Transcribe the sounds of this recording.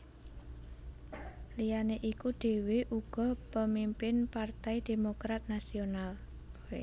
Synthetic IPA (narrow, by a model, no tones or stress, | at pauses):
lijaneʔikuɖ̪̥e̤weʔuɡ̥ɔ̤pəmimpɪnpart̪ajd̪̥e̤mokɾat̪̚nasional